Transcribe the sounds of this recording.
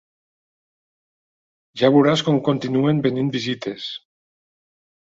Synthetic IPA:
ʒaβuɾaskomkont̪inue̞mbenĩnbizit̪es

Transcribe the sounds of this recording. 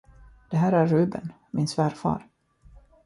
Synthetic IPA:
d̪̥ɛɦæːɾæɾːʉ̟ːbə̰n | mɪnsvæːɾfɑ̰ːɾ

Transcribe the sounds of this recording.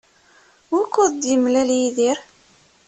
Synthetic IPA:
wʊkːʊðd̪jəmlæljiðiɾ

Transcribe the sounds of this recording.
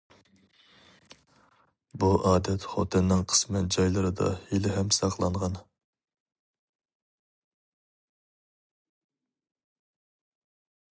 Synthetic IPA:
buʔɑːd̪ɛt̪χo̰t̪ʰɪnːɪŋqʰə̥smɨd͡ʒɑjlˠɨɾɨd̪ɑ̰hilɪɦɛmsɑqlˠɑɴʁɑn

